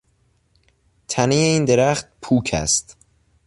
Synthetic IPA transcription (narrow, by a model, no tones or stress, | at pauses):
t̪ʰænejeiːnd̪e̞ɾæχt̪̚pʰuːkʰæ̰st̪